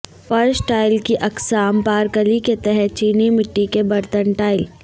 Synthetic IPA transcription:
fɐɾsʈaːɪlkiʔɐksaːmpaːɾkəliket̪ɛɦɛt̪̚t͡ʃiːnimɪʈːikebɐɾt̪ənʈaːɪl

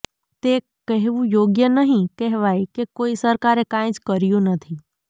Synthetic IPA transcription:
t̪e | kəɦʋũjoːɡjənəɦĩkɛɦʋaːikekoːisəɾkaɾekãj̃t͡ʃkəɾijũnət̪ʰi

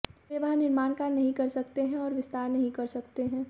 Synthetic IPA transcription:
ʋeʋɐɦãnɪɾmaːnkanɐɦĩkɐɾsɐkt̪eɦɛ̃ɔːɾʋɪst̪aːɾnɐɦĩkɐɾsɐkt̪eɦɛ̃ː

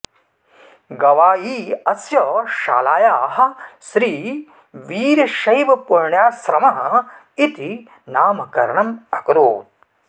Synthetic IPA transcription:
ɡɐʋaːjiːɐsjɐʃa̰ːlaːjaːɦɐ̆ʃɾiː | ʋiːɾɐʃɐjʋɐpuɾɳjaːsɾɐmaː | it̪i | naːmɐkɐ̰ɾɐɳɐmɐkɾoːt̪̚

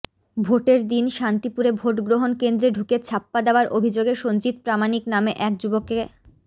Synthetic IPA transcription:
bʱoʈeɾd̪inʃant̪ipuɾebʱoʈɡɾoɦonkend̪ɾeɖʱuket͡ɕʰapːad̪eoaɾʔobʱid͡ʑoɡeʃond͡ʑit̪̚pɾamaniknameʔɛk̚d͡ʑuboke

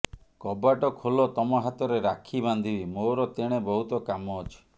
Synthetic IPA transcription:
kɔbaʈɔkʰolɔt̪ɔmɔɦat̪ɔɾeɾakʰiband̪ʱibimoɾɔt̪eɽ̃ebɔɦut̪ɔkamɔt͡ʃʰu̥

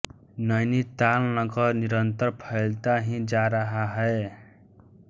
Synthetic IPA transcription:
nʌjnit̪alnʌɡʌrniɾʌnt̪ʌrpʰʌjlt̪aɦĩd͡zaɾʌɦaɦʌe

